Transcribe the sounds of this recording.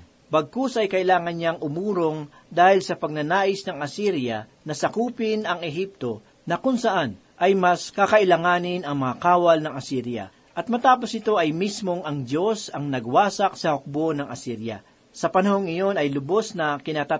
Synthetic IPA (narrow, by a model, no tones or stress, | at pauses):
bɐɡ̚kosʔɐjkɐʔɪlaːŋɐnɲaŋʊmuːɾo̞ŋ | d̪aːhɪlsɐpɐɡ̚nɐnaːʔɪsnɐŋɐsiɾjɐnɐsɐkuːpɪnɐŋɛɦip̚t̪o̞ | nɐkʊŋsɐʔan | ʔɐjmɐskakɐʔɪlɐŋaːnɪnɐŋmɐŋɐkaːwɐlnɐŋɐsiɾjɐ̰ | ʔɐt̪̚mɐt̪aːp̬osɪt̪o̞ʔɐjmismo̞ŋɐŋd̪jo̞sɐŋnɐɡ̚waːsɐk̚sɐhok̚bonɐŋɐsiɾjɐ̰ | sɐpɐnɐhoŋɪjo̞nɐjlʊbo̞snɐkɪnat̪a